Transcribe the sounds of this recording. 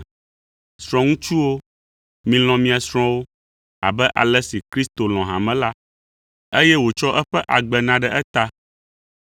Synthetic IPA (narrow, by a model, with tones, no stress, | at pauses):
sɾ̃ɔ̃˦ŋũ˦t͡ʃu˦wo˦ | mĩ˨lɔ̃˨mĩ˦a˨sɾ̃ɔ̃˦wo˦ | a̰˨bɛ˦ʔa̰˨lɛ˦si˨kɾi˦st̪o˨l̃ɔ̃˨ɦã˨mɛ̃˦la˦ | e˦jɛ˦wo˨t͡ʃɔ˦ʔɛ˦ɸɛ˦ʔa˨ɡ͡bɛ˨nã˨ɖɛ˨ʔɛ˦t̪a˦